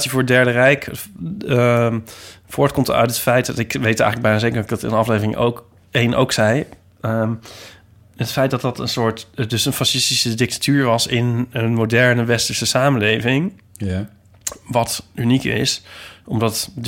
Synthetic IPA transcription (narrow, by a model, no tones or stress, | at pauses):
səvʊːɹdɛɹdərɛjk | v̥ʊːɹtkɔmtœ̰ɥtətfɛjtɪkʋejtɛ̰jələɡbɛjnazejkəɹdɔtɪɡdɑtɪ̰nənɑflejvərɪŋʔo̰wk | ejnʔo̰wksɛj | ətfɛjt̚dɑtdɑtənsʊːɹtdɵsənfasɪstisədɪk̚tḁtʰyːɹʋɑsɪnənmodɛɹnəʋɛstəɹsəsaːmənlejvɪŋ | ʋɑtynikɪ̰sʔɔmdɑt